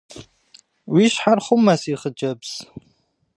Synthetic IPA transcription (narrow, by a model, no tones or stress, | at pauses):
wiʃħarχʷʊmːasiχəd͡ʒɐbz̥